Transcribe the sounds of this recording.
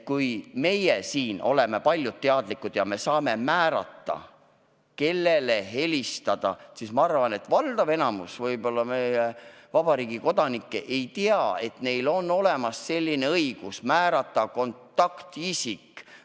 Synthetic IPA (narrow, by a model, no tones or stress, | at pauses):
kujme̞jesiːno̞̰le̞me̞pɑlʲjud̪̚t̪ːeɑd̪likːˑud̪̥jɑme̞sɑːme̞mæːɾɑ̰t̪ːɑ̰ | ke̞lːele̞ɦe̞list̪ɑd̪̥ɑ̰sismɑɑrvɑne̞t̪vɑld̪̥ɑve̞nɑmusvɤjbo̞lːɑme̞je | vɑb̥ɑɾiːɡiko̞d̪̥ɑnikːḛʔe̞jt̪iɑe̞t̪ne̞jlo̞nːo̞le̞mɑsːe̞lʲːine̞ɤiɡ̥usmæːɾɑt̪ːˑɑko̞nt̪ːˑɑkt̪isikː